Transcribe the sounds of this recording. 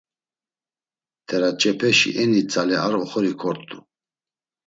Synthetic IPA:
t̪ʰɛɾat͡ʃʼɛpʰɛʃḭʔɛnit͡sʼalɛaɾɔχɔɾikʰɔɾt̪ʼu

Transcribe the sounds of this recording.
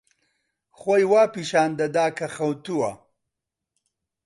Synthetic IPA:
χwajwaːpiʃaːnd̪ɐd̪aːkaχawt̪uwa

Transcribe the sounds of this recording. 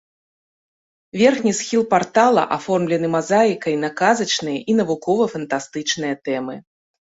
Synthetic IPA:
vʲɛrxnʲisxʲilˠpart̪alˠɐ̰ʔafɔrmlʲɛnɨmazajikɐjnakazɐt͡ʂnɨjɐʔin̪ɐvukɔvɐfɐnt̪ast̪ɨt͡ʂnɨjɐt̪ɛmɨ

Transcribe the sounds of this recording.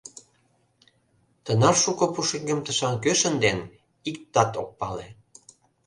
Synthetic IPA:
t̪ənɑrʃukopuʃeŋɡə̆mt̪ə̆ʃɑŋkøʃə̆nd̪en | ik̚t̪ɑt̪ok̚pɑle

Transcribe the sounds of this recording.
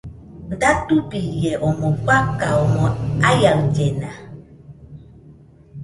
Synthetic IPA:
n̩datubijɛʔɔmɔkʷakaɔmɔajaŋd͡ʒɛna

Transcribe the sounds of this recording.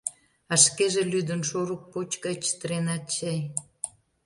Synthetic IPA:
ɑʃkeʒelyd̪ə̆nʃoɾuk̚pot͡ɕkət͡ɕə̥t̪əɾenɑt͡ɕej

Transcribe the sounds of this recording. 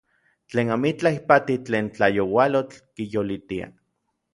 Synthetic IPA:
t͡ɬeːnamit͡ɬahipat̪it͡ɬeːnt͡ɬajowalot͡ɬkijolit̪ia̰

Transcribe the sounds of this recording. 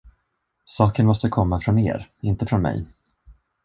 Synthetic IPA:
sɑːkənmɔst̪əkʰɔmːafɾɔnḛːɾɪnt̪əfɾɔnmɛ̰j

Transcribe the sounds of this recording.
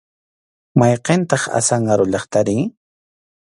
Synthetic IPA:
mɑjqent̪ɑχa̰sɑɴɢɑɾʊʎɑχt̪aɾɪŋ

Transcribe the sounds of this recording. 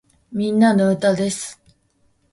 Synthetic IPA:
mʲĩnːanoɯ̟t̪ad̪e̞sɨ̥

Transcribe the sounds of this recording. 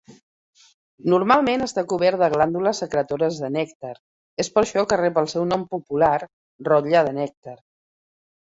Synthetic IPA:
nuɾmalˠmenəst̪akuβ̞ɛɾt̪d̪əɣland̪uləsəkɾət̪oɾəzðənɛkt̪əɾ | espəɾʃɔkərɛpəlˠsɛwnɔmpupular | rɔt̪ʎaðənɛk̚t̪əɾ

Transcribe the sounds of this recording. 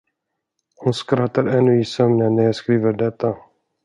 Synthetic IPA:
hʊnskɾat̪ːaɾɛnːɵɪsœmnənːæɾjɑːskɾiːvəɖɛt̪ʰːa

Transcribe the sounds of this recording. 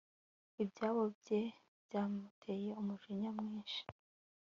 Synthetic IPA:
ibɟaːβobɟe | bjaːmutʰejeumuʒiɲamŋiːnʃi̥

